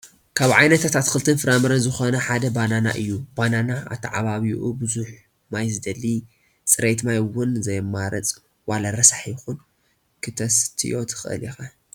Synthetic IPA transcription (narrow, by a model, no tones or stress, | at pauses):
kʰaβʕajnɐt̪ʰat̪ʰat̪kɨlt̪ʰɨnfɨɾamɨɾɐnzɨxonɐħad̪ɐbanana̰ʔɨjːub̥ananaʔa̰βt̪ʰɐʕa̰βaβiʔubɨzuħ | majzɨd̪ɐlːi | t͡sʼɨɾejt̪majwʊnzɐjmaɾɐ̰t͡sʼ | walaɾɐsaħjɪxun | kʰɨt̪ʰɐst̪ʰḭʔo̞t̪ʰɨ̥xɨʔɨ̰lixa